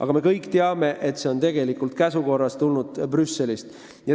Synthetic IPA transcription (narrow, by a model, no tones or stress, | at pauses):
ʔɑ̰ɡ̥ɑme̞kɤjkːˑt̪eɑme̞ʔe̞t̪se̞o̞nt̪e̞ɡ̥e̞likult̪̚kæsuko̞rːɑst̪ulnud̪̥prysːe̞list̪ | jɑ